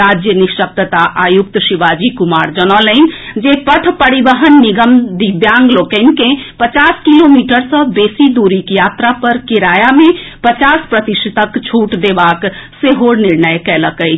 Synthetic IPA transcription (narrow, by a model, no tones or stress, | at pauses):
ɾad͡ʒjəniʃək̚t̪ət̪aʔajukt̪əʃiʋad͡ʒikumaɾd͡ʒənələnd͡ʒepəʈʰpəɾibəɦənːiɡəmd̪ibjaŋɡlokənkẽpət͡ʃaskilomiʈəɾsə̃besid̪uɾikjat̪ɾapəɾkiɾajamepət͡ʃaspɾət̪isət̪əkt͡ʃʰuʈd̪ebakseɦoɽniɾnəjkɛləkəɪt͡ʃʰ